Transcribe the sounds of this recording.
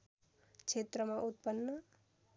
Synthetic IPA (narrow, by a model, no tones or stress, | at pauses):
kt͡ʃʰet̪ɾʌmaʔut̪̚pʌnːʌ